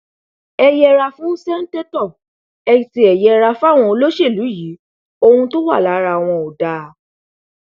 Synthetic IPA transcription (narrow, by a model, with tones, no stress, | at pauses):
ɛ˧jɛ˦ɾa˧fũ˦sɛ˦n̩˦te˦tɔ˦˨ | ɛ˧ti˧ɛ˨jɛ˧ɾa˧fa˦˨w̃ɔ̃˧o˧lo˦ʃe˦˨lu˨˦ji˨˦ | o˧hũ˧to˦wa̰˦˨la˨˦ɾa˧˨w̃ɔ̃˧o˨da˨˦